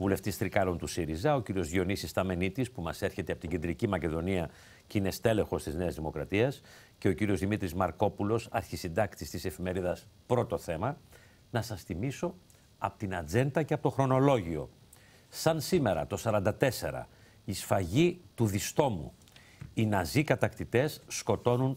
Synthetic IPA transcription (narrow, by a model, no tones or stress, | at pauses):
vule̞ft̪ist̪ɾikɐlo̞nt̪usiɾizɐo̞ciɾio̞zio̞nisist̪ɐme̞nit̪ispumɐse̞ɾçe̞t̪eɐpo̞t̪iɟe̞nd̪ɾicimɐce̞ðo̞niɐ | ceinest̪e̞le̞xo̞st̪izne̞ɐzðimo̞kɾɐt̪iɐs | ce̞o̞ciɾio̞zðimit̪ɾizmɐɾko̞pulo̞sɐɾçisind̪ɐkt̪ist̪ise̞fime̞ɾiðɐspɾo̞t̪o̞θe̞mɐ | nɐsɐsθimiso̞ | ɐpot̪inɐd͡ze̞nd̪ɐceɐpo̞t̪o̞xɾo̞no̞lo̞ʝio̞ | sɐnsime̞ɾɐt̪o̞sɐɾɐnd̪ɐt̪e̞se̞ɾɐ̰ | isfɐʝit̪uðist̪o̞mṵ | inɐzikɐt̪ɐkt̪it̪e̞sːko̞t̪o̞nun